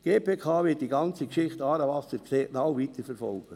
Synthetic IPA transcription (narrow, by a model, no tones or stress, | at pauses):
ɡ̥eːpʰeːkʰɑːʋɪt̚d̥iɡɑnt͡sikʃɪχtɑːɾəʋɑsəɾkʰseːʔnawviːt̪əɾfɛɾfɔ̰lɡ̥ə